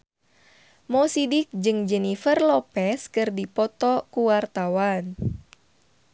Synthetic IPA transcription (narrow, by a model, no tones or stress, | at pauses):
mɔsidik̚d͡ʒɨŋd͡ʒɛnifərlɔpɛskɨrdipɔt̪ɔkuwart̪awan